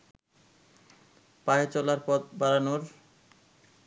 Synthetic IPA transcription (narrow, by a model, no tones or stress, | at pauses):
paet͡ɕɔlaɾpɔt̪̚baɾanoɾ